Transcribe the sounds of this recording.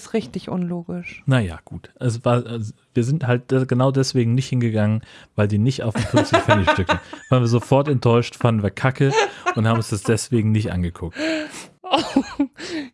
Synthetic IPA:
sʁɪçtɪçʔʊ̰nloːɡɪʃnaja̰ːɡ̥uːtʔɛsv̥aːɐʔaviːɐzɪnthalt̚d̥ɡ̥ənaʊdɛsv̥eːɡŋ̩nɪçthɪnɡəɡaŋənvaɪldiːnɪçta̰ʊfɪfɪt͡sɪçfɛnɪʃtʏk̚təvaːɐnviːɐzofɔɐtɛntʰɔʏʃtfandn̩viːɐkʰakəʔʊnthaːbm̩ʊnsd̥asd̥ɛsv̥eːɡŋ̩nɪçtʔa̰nɡəkʰʊk̚t | o

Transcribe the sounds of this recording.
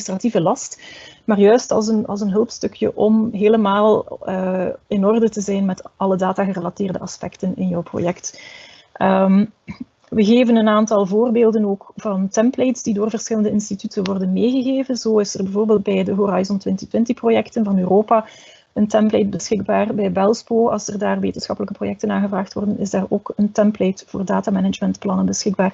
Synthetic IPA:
strativəlɑstmaːrjœɥstɑ̰lˠsənɑ̰lˠsənɦɵlˠpstɵkʰjə̰ʔɔmɦeːləmaːlˠəɪnɔrdətəzɛjnmɛtʔɑlədaːtaːɣərəlatɪːrdə̰ɑspɛktənɪ̰njɔwpro̰jɛkt | ʔəm | ʋəɣeːvənənaːntɑlˠvoːrbeːlˠdənoːkv̥ɑntɛmplejtsdidoːrvərsxɪləndəɪnstitytənʋɔrdənmeːɣəɣeːvənzoːɪsərbɛvoːrbeːlˠt̚bɛjdəɦoɾajzɔntʋɪntə̥twɪntəxprojɛktənvɑnøːroːpa | əntɛmplejt̚bəsxɪɡ̚baːrbɛjbɛlˠsboːɑ̰lˠsərdaːrʋḛːtənsxɑpələkəprojɛk̚tənaːɣəvraːxtʋɔ̰rdənɪzdaːro̰ːkəntɛmplejtvo̰ːrdaːtaːmɛnəd͡ʒmɛntplɑnənbəsxɪɡ̚baːr

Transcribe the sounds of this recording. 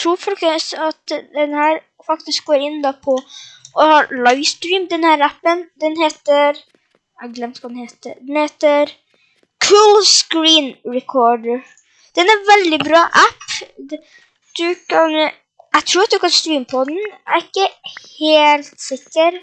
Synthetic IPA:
t̪ʰɾuːɾfɔlkəsɑt̪d̪ɛnhæːɾ | fɑkt̪ɪsk̚ɡoːɾɪnd̪ɑpʰɔʔɔhɑɾlɑɪʋst̪ɾiːmd̪ɛnhæːɾæpːənd̪ɛnheːt̪əɾ | ɛɡlɛmt̪kɑd̪nheːt̪ə̰d̪ɛnheːt̪əɾ | kʰuːlskɾiːnɹɛkʰɔːɖə | d̪̥ɛnæʋɛld̪ɪbɾɑːʔæp | d̪̥ʉkʰɑn | ɛɡt̪ʰɾuːɾɑt̪̚d̪ʉkɑnst̪ɾiːmpʰɔd̪n̩æɾɪkːəheːlt̪sɪkːəɾ

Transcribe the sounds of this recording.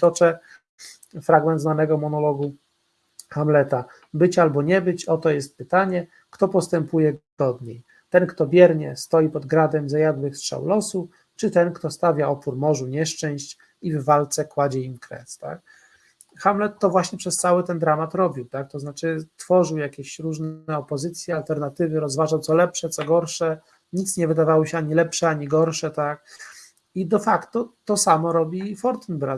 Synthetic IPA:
t̪ɔt͡ʂɛ | fɾaɡmɛnd̪znanɛɡɔmɔnɔlɔɡu | xamlɛt̪a | bɘt͡ɕalbɔɲɛbɘt͡ɕɔt̪ɔjɛst̪̚pɘt̪aɲɛ | kt̪ɔpɔst̪ɛmpujɛɡ̥ɔd̪ɲej | t̪ɛnkt̪ɔbʲjɛɾɲɛ̰st̪ɔjipɔd̪ɡɾad̪ɛmzajad̪wɘxstʂa̰wlɔsu | t͡ʂɘt̪ɛnkt̪ɔst̪avʲjaɔpuɾmɔʐuɲɛʂt͡ʂɛ̃w̃ɕt͡ɕ | ivːalt̪sɛkwad͡ʑɛimkɾɛ̰st̪a̰k | xamlɛt̪ːɔvwaɕɲɛpʂɛst̪sawɘt̪ɛnd̪ɾamat̪ɾɔbʲiwt̪ak̚t̪ɔznat͡ʂɘt̪fɔʐɘwjakʲeɕɾuʐnɛɔpɔzɘt̪sʲjɛalt̪ɛɾnat̪ɘvɘɾɔzvaʐawtsɔlɛpʂɛt̪sɔɡɔɾʂɛ | ɲit̪sɲɛvɘd̪avawɔɕɛaɲilɛpʂɛaɲiɡɔɾʂɛt̪ak̚ | id̪ɔfakt̪ɔt̪ɔsamɔɾɔbʲifɔɾt̪nbɾa

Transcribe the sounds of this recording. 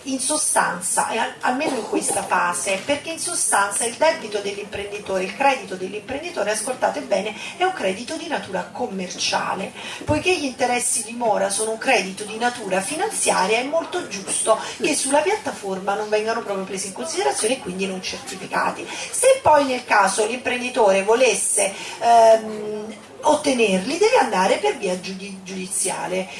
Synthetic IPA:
insost̪a̰nt̪sa̰ʔɛa̰lmeːnoiŋkwest̪afaːseperkeinsost̪ant̪saild̪ɛbit̪od̪elːimpɾend̪it̪oːɾeilkɾɛːd̪it̪od̪elːimpɾend̪it̪oːɾeaskolt̪aːt̪oebːɛːneɛuŋkɾɛːd̪it̪od̪inat̪uːɾakomːert͡ʃa̰ːlepojkeʎint̪eɾɛsːid̪imɔːɾasoːnouŋkɾɛːd̪it̪od̪inat̪uːɾafinant̪sjaːɾjaɛmːolt̪od͡ʒust̪okesːulːapjat̪ːaformanoɱvɛŋɡanopɾɔːpɾjopɾeːsiŋkonsid̪eɾat̪sjoːneekːwind̪inont͡ʃert̪ifika̰ːt̪isepːɔjnelkaːzolimpɾend̪it̪oːɾevolesːe | ot̪ːenerlid̪ɛːveand̪aːɾeperviːad͡ʒud̪id͡ʒud̪it̪sːja̰ːle

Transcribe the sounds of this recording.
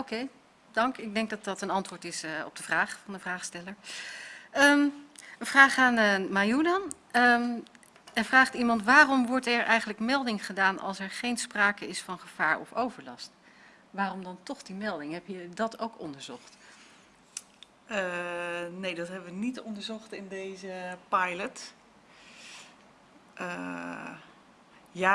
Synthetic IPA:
okej | dɑŋkɪɡ̚dɛŋk̚dɑt̚dɑtənɑntʋʊːɹtɪsɔ̰b̚dəv̥raːχfɑndəvraːχstɛləɹ | əmənv̥raːχaːnəmajudɑn | ə | ɛvraːχtimɑntʋaːrɔmʋɔɹtɛɹʔɛjχənləkmɛlˠdɪŋχədaːnɑ̰lˠsɛɹχejnspraːkəɪsfɑnχəv̥aːɹɔ̰fowvəɹlɑ̰st | ʋaːrɔmdɑntɔχdimɛlˠdɪŋɦɛpjədɑtʰowkɔ̰ndəɹzɔχt | nejdɑtɦɛbəʋənitɔndəɹzɔχtɪndejzəpajlət | ə | ja

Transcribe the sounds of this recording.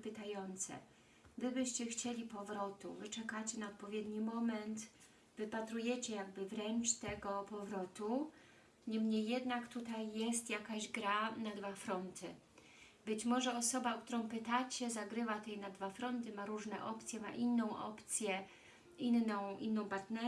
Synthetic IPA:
pɘt̪ajɔnt̪sɛ̰ | vɘbɘɕt͡ɕɛxt͡ɕelʲipɔvɾɔt̪uvɘt͡ʂɛkat͡ɕɛnaɔt̪̚pɔvʲjɛd̪ɲimɔmɛnt̪ | vɘpat̪ɾujɛt͡ɕɛjaɡ̚bɘvɾɛnt͡ʂt̪ɛɡɔpɔvɾɔt̪u | ɲɛmɲejːɛd̪nakt̪ut̪ajːɛst̪jakaʑɡɾanad̪vafɾɔnt̪ʰɘ | bɘt͡ɕmɔʐɛɔsɔbaɔkt̪uɾɔ̃w̃pɘt̪at͡ɕɛzaɡɾɘvat̪ɛjnad̪vafɾɔnt̪ɘmaɾuʐnɛʔɔpt̪sʲjɛma̰ʔinːɔ̃w̃ʔɔ̰pt̪sʲjɛ | inːɔ̃w̃ʔḭnːɔ̃w̃paɾt̪nɛ

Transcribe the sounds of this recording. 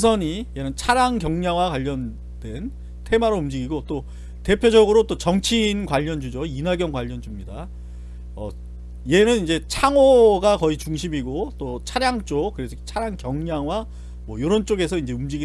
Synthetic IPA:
sʰʌɲije̞nɯnt͡ɕʰaɾjaŋkjʌŋɲaŋwakwaʎːʌn | dwe̞n | tʰe̞maɾoumd͡ʑiɡiɡot͈o | te̞pʰjod͡ʑʌɡɯɾot͈ot͡ɕʌŋt͡ɕʰiːnkwaʎːʌnd͡ʑud͡ʑoinaɡjʌŋkwaʎːʌnd͡ʑumɲida | ʌ̰ | je̞nɯnind͡ʑe̞t͡ɕʰaŋoɡakʌit͡ɕuŋɕʰimiɡot͈ot͡ɕʰaɾjaŋt͡ɕ͈okkɯɾesʰʌt͡ɕʰaɾjaŋkjʌŋɲaŋwa | mwʌjoɾont͡ɕ͈oɡe̞sʰʌind͡ʑe̞umd͡ʑiɡi

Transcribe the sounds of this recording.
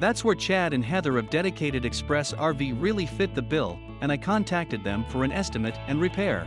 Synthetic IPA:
ðætswə˞t͡ʃʰæɾɨ̃nɦɛðə˞ʌvdɛɾɨkʰeɪɾɨɾɨkspɹɛsɑɹviɹɪlˠifɪt̪̚ðɨbɪlˠ | ɨ̃ñaɪkʰɑ̃ntʰæk̚tɨd̪̚ðɨ̃ɱfə˞ɨ̃nʔɛstɨmɨɾɨ̃nɹɨpʰɛɹ

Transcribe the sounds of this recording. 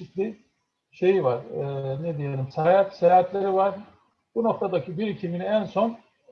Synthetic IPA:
it̪lʲi | ʃe̞jivaɾːned̪ije̞lʲimsaɾaat̪seaat̪ʰlʲeɾivaɾ̥ | b̥uno̞k̚t̪ʰad̪acʰibiɾicʰiminiænso̞n

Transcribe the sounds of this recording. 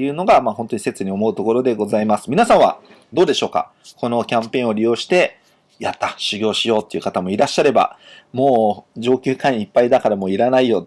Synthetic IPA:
jɯ̟ːno̞ɡamahõ̞nt̪o̞ɲ̟i̥se̞t͡sɨɲ̟io̞mo̞ɯ̟t̪o̞ko̞ɾo̞d̪e̞ɡo̞zaimasɨ̥mʲinasãɰ̃β̞a̰ | d̪o̞ːd̪e̞ɕo̞ːka̰ | ko̞no̞kʲãmpẽ̞o̞ɾʲijo̞ːɕi̥t̪e̞ | jat̪ːḁɕɨɡʲo̞ːɕijo̞ːt̪ːe̞ɯ̟kat̪amo̞iɾaɕːaɾe̞ba̰moːd͡ʑo̞ːkʲɨːkãɰ̃ɲipːaid̪akaɾamoːiɾanaijo̞

